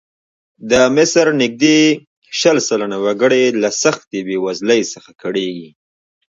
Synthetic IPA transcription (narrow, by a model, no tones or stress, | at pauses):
d̪əmɪsɾnɪk̚d̪e | ʃəlsalanawaɡəɽelasaxt̪ebewazləjsəxakaɽeɡi